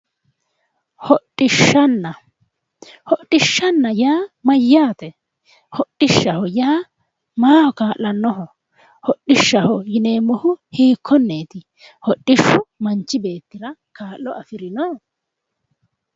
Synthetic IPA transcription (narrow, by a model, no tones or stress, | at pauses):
hɔʔɪʃːɐnːɐ | hɔʔːɪʃːɐnːɐjaːmɐjːaːt̪ɛ | hɔɗːɪʃːɐhɔjaː | maːhɔkaːlːɐnːɔɦɔ | hɔɗɪʃːɐhɔjɪneːmːɔhʊhiːkʰːɔnːeːt̪ɪ | hɔɗːɪʃːʊmɐnt͡ʃːɪbe̞ːt̪ːɪɾɐkaːlːɔʔɐfɪɾɪnɔ